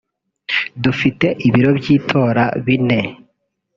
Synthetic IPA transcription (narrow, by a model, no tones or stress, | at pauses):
dufite̞ʔiβiɾo̞bɟiːtʰo̞ːɾa̰βine̞